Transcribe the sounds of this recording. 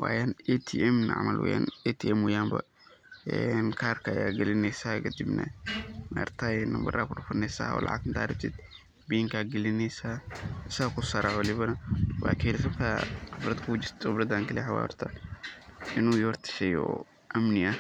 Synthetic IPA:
waːjanɛt̪ʰiʔɛmnɐʕ̰mɐ̰lwɐ̰ja̰ːnɛt̪ʰiɛmwɐjaːmbɐ̰ | ɛnkʰaːrkʰɐjaːɡɛlɪnɛjsaːkʰɐd̪ibnɐ̰na̰rt̪ʰajnɐmbɐraːkʊɖʊfɐnɛjsa̰ːɔ̰ːlʔɑ̰ʕa̰ɡɪnt̪ʰaːɾɪb̚t̪ʰɪd̪ | biŋkʰaːɡɛlɪnɛjsaːɪsɐɣkʰʊsɐɾɐwɐlɪβɐnɐwa̰ːkʰiːlɪsɐbt̪ʰaːχɪfɾɐd̪kʰuʊd͡ʒɪɾt̪χʊbɾɐd̪aːŋkʰɐlɛħawa̰ːɔ̰rt̪ʰɐ | ɪnuːjɔːrt̪ʰɪ̥ʃɛjɔ̰ː | ʔɐmnɪɐ

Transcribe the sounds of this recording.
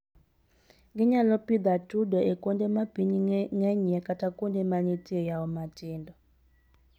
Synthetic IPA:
ŋɡiɲalɔpid̪atʼudɔɛkʼɔndɛmabiniŋɛɲɛkʼatʰʼakʼundɛmanitʼiɔjawɔmatʼiːndɔ

